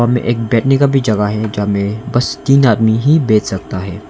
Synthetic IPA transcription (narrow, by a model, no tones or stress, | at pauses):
amḛ̃ʔeːk̚bɛːʈʰnekabʱid͡ʒɐɡaɦɛd͡ʒɐɦmẽbɐst̪iːnaːd̪miɦibeːt͡ʃsɐk̚t̪aɦɛː